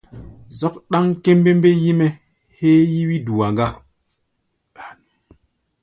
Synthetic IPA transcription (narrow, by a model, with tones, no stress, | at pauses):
zɔ˦k̚ɗa˦ŋke˦m˦be˦m˦be˦ji˦me˦ | heː˦ji˦wi˦du˨wa˨ŋɡa˦